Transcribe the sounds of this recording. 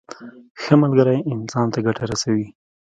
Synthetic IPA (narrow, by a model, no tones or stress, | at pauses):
xəmalɡəɾajɪnsɑnt̪aɡaʈaɾasawi